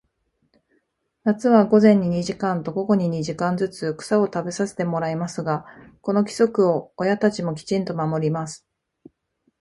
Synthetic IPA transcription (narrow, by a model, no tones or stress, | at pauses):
nat͡sɨβaɡo̞zẽ̞ɲ̟ːiɲ̟iʑikãnt̪o̞ɡo̞ɡo̞ɲ̟iɲ̟iʑikãnd͡zɨt͡sɨkɯ̟̥sao̞t̪abe̞sase̞̥t̪e̞mo̞ɾaimasɨɡako̞no̞kʲi̥so̞kɯ̟o̞ːjat̪at͡ɕimo̞k̬ʲi̥t͡ɕĩnt̪o̞mamo̞ɾʲimasɨ̥